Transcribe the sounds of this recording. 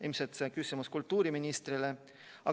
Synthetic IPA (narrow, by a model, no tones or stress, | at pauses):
ilmset̪sekysimuskult̪ːuːɾiminist̪rile | ɑ